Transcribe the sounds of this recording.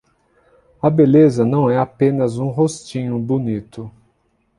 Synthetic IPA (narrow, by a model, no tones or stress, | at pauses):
ɐbelezɐnɐ̃w̃ɛapẽnɐzũɦost͡ʃĩɲʊbonit̪ʊ